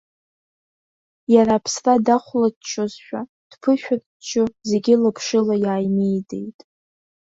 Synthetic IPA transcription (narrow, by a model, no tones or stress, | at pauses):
jaɾaːpʰsradaχʷlatt͡ʃʰozʃʷᶣa | d̥pʰɨʃᶣat | t͡ʃʰʊze̞ɡʲɪlɨpʰʂɨlajaːjmijde̞̰jtʼ